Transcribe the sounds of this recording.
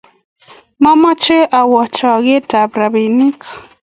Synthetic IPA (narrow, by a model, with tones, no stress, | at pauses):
ma˦mɔ˦t͡ʃe˦ʔa˨wɔ˨t͡ʃɔ˨ɡe˦ta˨bɾa˨bi˨ni˦k